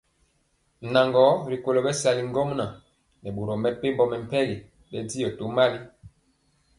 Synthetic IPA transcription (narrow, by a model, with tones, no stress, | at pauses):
na˨ŋɡɔ˨˦ɾi˨ko˨lo˨bɛ˦sa˨li˨ŋɡo˦m˦na˨ | nɛ˨bo˨ɾo˨mɛ˨pe˦mbɔ˨mɛ˨m˨pɛ˦ɡi˨ | bɛ˦di˦jɔ˨to˨˦ma˦li˦